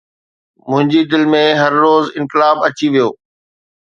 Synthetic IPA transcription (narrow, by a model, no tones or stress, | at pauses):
mʊ̃ɦɪ̃ɲd͡ʑid̪ɪlmẽɦɐɾːoːzɪ̃nkɪlaːbɐt͡ɕiʋijoː